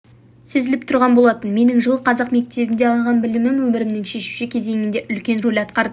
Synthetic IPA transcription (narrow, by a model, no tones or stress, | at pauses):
sezɪlɪp̚t̪ʰʊɾʁɑnbo̞lˠɑt̪ənme̞nɪŋʒəlˠqʰɑzɑqme̞k̚t̪e̞bɪnd̪eɑlˠʁɑnbɪlɪmɪmwɵmɪɾɪmnɪŋʃe̞ʃu̥ʃɪkʲʰe̞ze̞ŋɪnd̪e̞ʔʏlkʲe̞nrolʲɑt̪qɑɾd̪əə